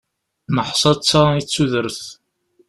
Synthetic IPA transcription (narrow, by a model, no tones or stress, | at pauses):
məħsˤɑt͡sːait͡sːuðəɾθ